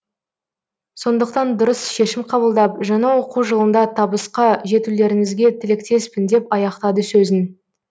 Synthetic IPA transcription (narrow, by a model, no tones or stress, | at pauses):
so̞nd̪əqt̪ɑnd̪ʊɾəsʃe̞ʃɪmqʰɑbəlˠd̪ɑp̚ʒɑɴɑwo̞quwʒəlˠənd̪ɑt̪ʰɑbəsqɑʒe̞t̪ule̞ɾɪŋɪzɡʲe̞t̪ʰɪlɪk̚t̪e̞spɪnd̪e̞pɑjɑqt̪ɑd̪əsɵzɪn